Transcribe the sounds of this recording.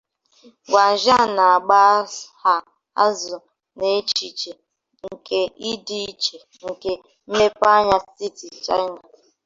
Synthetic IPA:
ɡʷa˨ʒa˦˨na˨a˨ɡ͡ba˦ha˦ | a˦zʊ˨ | ne˨˦t͡ʃi˨t͡ʃe˨ | ŋ̩˨ke˦i˦di˦i˦t͡ʃe˨ | ŋ̩˨ke˨ | m̩˦me˦pa˦ɲa˦si˦ti˨t͡ʃa̰˦ɲa˨

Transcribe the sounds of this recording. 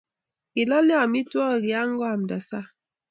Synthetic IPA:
i˨lɔ˦lja˨mi˦twɔ˦˨ɡi˨a˦ŋ˦ɡɔ˦a˨m˨da˨sa˦

